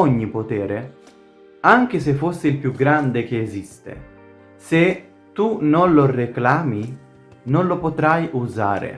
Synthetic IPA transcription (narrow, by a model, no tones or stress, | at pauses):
ɔɲːipot̪ɛːɾe | aŋk̟es̬efːosːɪilpjuɡɾand̪ek̟eːzist̪ḛ | se | t̪unonloreklaːmi | nonlopot̪ɾajuza̰ːɾḛ